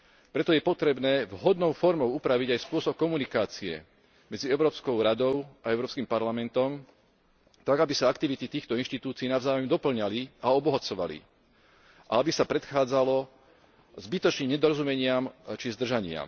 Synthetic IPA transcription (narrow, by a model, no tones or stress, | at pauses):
pɾɛt̪ɔjɛpɔt̪ɾɛbnɛːvɦɔd̪nɔʊfɔɾmɔʊupɾaʋiɟajspʊɔsɔp̚kɔmunikaːt͡siɛ̰ | mɛd͡ziɛʊɾɔːpskɔʊɾad̪ɔʊaɛʊɾɔːpskimpaɾlamɛnt̪ɔm | t̪aɡabisaakt̪iʋit̪it̪iːxt̪ɔinʃt̪it̪uːt͡siːnavzaːjɔmd̪ɔpl̩ɲaliaɔbɔɦat͡sɔʋa̰lḭ | ʔa̰abisapɾɛt̪xaːd͡zalɔ | zbit̪ɔt͡ʃniːmɲɛd̪ɔɾɔzumɛɲɪamt͡ʃizd̪r̩ʒaɲɪa̰m